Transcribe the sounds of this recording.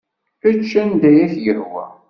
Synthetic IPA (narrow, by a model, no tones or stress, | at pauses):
ət͡ʃːænd̪æjæθjəhwæ̰